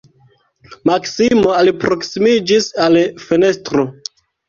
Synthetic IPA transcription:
maksimoalipɾo̞ksimid͡ʒisalfene̞stɾo

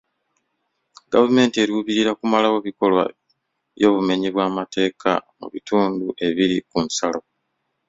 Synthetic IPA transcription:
ɡavume̞ːntie̞ɾiuβiɾiɾakumalawo̞βiko̞lwa̰ | jo̞ːβume̞ɲiβwaːmate̞ːkʰa̰mṵβituːnduʔe̞βiɾikunsalo̞

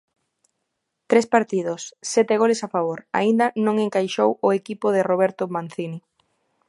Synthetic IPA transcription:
t̪ɾespaɾt̪iðʊsːɛt̪ɪɣolesafaβoɾa̰ind̪ɐnõŋeŋkajʃowʊekipʊðɪroβ̞ɛɾt̪ʊmanθini

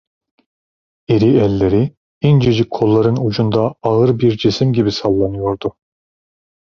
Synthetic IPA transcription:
eɾiɛlːeɾi | ind͡ʒed͡ʒikʰːolˠːɑɾɯnud͡ʒund̪ɑːɯɾbiɾd͡ʒesimɟibisɑlˠːɑnɯjoɾd̪u

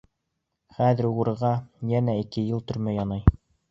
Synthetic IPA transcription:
χæðɘ̆ɾuɾɤʁɑjænæikɘjɤlˠt̪ɵ̆ɾmæjɑnɑj

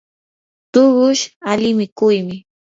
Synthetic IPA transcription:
t̪ʊɢʊʃalɪmɪkʊjmɪ

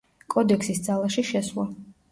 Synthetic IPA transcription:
kʼɔd̪ɛkʰsisd̪zalˠaʃiʃɛswlˠa

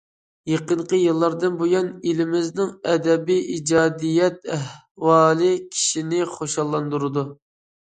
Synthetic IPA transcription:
jeqəɴqəjɨlˠːɑɾd̪ɨnbojɑnilɪmɪznɪŋɛd̪ɛbiʔid͡ʒɑːd̪ijɛt̪̚æh | wɑːlˠɨkʲʰi̥ʃinɪχoʃɑlˠːɑnd̪uɾɨd̪u

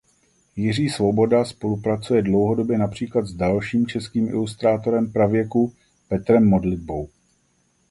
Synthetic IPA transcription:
jɪriːsvo̞bo̞daspo̞lupɾat͡sujɛdlowɦo̞do̞bjɛnapr̝̥iːklat̪zdalʃiːmt͡ʃɛskiːmʔɪ̰lust̪ɾaːt̪o̞ɾɛmpɾavjɛku | pɛt̪ɾɛmːodlɪd̚bo̞w

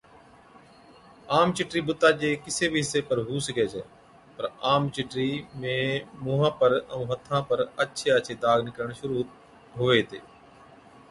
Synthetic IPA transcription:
aːmt͡ʃɪʈɾiːbʊt̪ːaːd͡ʒeːkɪseːbʱiɦɪsːeːpəɾɦuːsəkeːt͡ʃʰɛ̰ː | pəɾaːmt͡ʃɪʈɾiːmẽːmʊːɦãːpəɾəũːɦət̪ʰːãːpəɾətːʃʰeːət͡ʃʰeːd̪aːɡnɪkɾəɳ̃ʃʊɾuː | ɦʊʋeːt̪eː

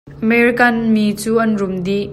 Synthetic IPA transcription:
ʔəmɛɾikɐnmit͡suːʔɐnrʊmd̪i

